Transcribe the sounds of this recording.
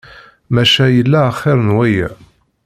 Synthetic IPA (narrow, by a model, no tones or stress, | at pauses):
mæʃæjəlːæəχːɪɾˤənwæjæ̰